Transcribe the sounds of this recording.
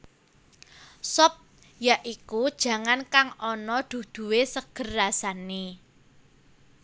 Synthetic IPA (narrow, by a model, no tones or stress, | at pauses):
sɔp̚ | jaʔikud̥ʒ̥ä̤ŋankaŋɔnɔd̪̥ṳd̪̥ṳwesəɡ̥ə̤rːasane